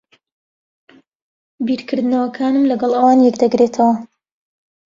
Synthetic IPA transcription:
biɾkʰɨɾd̪ɨnɐwɐkʰaːnɨmlɐɡɐlˠʔɐwaːnjɛkd̪ɐɡɾet̪ʰɐwɐ

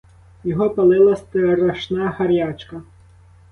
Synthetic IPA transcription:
jɔɦɔpɐlˠɪlˠɐst̪ɪɾɐʃnɑxɐɾjɑt͡ʃkɐ

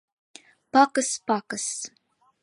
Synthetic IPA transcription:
pakʼɨspakʼɨs

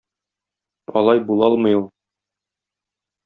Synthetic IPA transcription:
ɒ̰lˠɑjbulˠɒlˠmɤ̆julˠ

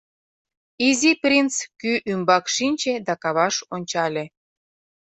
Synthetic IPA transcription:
iziprʲint͡skyʔymbɑkʃinʲt͡ɕed̪ɑkɑβɑʃonʲt͡ɕɑlʲe

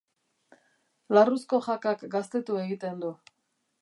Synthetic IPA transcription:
larusko̞ʝakakɡast̪e̞t̪ue̞ɣit̪e̞nd̪u

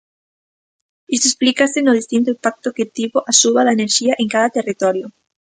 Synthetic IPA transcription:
ist̪oesplikasɪnʊð̞ist̪int̪̬oimpak̚t̪oket̪iβoʔasuβaðaeneɾʃiaʔeŋkaðɐt̪erit̪ɔɾjo

